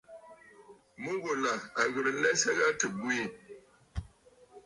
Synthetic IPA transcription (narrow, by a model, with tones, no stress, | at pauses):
mu˦ɣo˨la˨a˨ɣɨ˨ɾɨ˨lɛ˦sa˦ɣa˦tɨ˨bwi˦˨